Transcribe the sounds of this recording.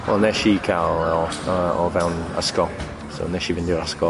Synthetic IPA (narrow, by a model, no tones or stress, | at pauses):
wɛ̰lˠnɛʃikʰalˠɔɔvɛwna̰skɔ | so̰nɛʃiːvɪndɪɾaskɔ